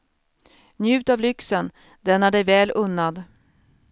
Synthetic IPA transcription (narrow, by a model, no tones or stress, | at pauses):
njʉ̟ːt̪avlʏksən | d̪ɛnaɖɛjvɛːlʔɵnːad̪